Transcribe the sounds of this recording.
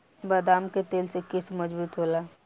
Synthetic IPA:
bəd̪aːmket̪eːlsekɪsmɐd͡ʒbuːt̪ɦoːlaː

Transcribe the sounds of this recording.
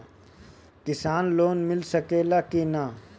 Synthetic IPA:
kɪsaːnloːnmɪlsəkeːlaːkina

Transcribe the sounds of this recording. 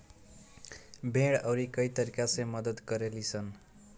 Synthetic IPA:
bʱeɽʌwɾikʌjt̪ʌɾikasʌ̃jmʌd̪ʌd̪ɡʌɾelit͡sʰʌn

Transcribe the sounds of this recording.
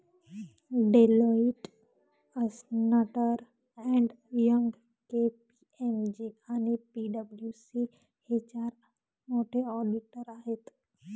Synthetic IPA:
ɖeloɪʈ | əsnaʈəɾ | ɛ̃ɳɖ | jə̃ŋɡ | kepi | emd͡ʒiaːnipiɖəbljusi | het͡ʃaːɾ | moːʈeɔːɖɪʈəɾaːɦɪt̪

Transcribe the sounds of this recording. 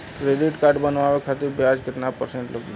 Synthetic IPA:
kɾeɖɪʈkaːɾɖbənʋaʋekʰat̪ɪɾbjad͡ʒkɪt̪napəɾsẽɳʈləɡlo

